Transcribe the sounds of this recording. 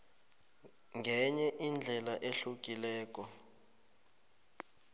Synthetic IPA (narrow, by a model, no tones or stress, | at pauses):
ŋɡʱɛɲɛʔind͡ɮʱɛlaʔeɬuk̬ʼilɛːk̬ʼɔ